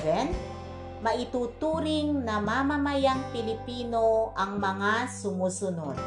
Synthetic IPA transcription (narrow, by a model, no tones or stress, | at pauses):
vɛn | mɐʔɪt̪uːt̪uːɾɪŋnɐmamamajaŋpɪlɪpiːnoʔɐŋmɐŋasʊmuːsʊnod̪̚